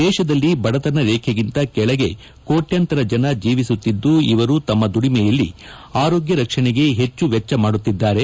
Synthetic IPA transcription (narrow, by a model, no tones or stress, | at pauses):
d̪ɛːʃɐd̪ɐlːibɐɽɐt̪ɐnɐɾeːkʰeɡint̪ɐkɛɭɐɡe̞ | ko̞ːʈjɐnt̪ɐɾɐd͡ʒɐnɐd͡ʒiːʋisut̪ːid̪ːuiʋɐɾut̪ɐmːɐd̪uɽimɛjɐlːi | aːɾo̞ːɡjɐɾɐkʂɐɳeɡe̞ɦe̞t͡ʃːuʋɛt͡ʃːɐmaːɽut̪ːid̪ːaːɾe̞